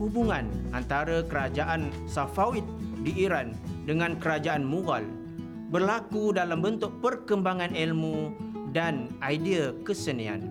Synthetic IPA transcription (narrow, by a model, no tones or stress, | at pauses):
hubuŋãnʔant̪aɾakəɾad͡ʒaʔan | safawit̪̚diʔːɾandəŋãnkəɾad͡ʒaanmuɡa̰l | bərlakudalambənt̪ʊk̚pərkəmbaŋãnɛlmudanaidiakəsənia̰n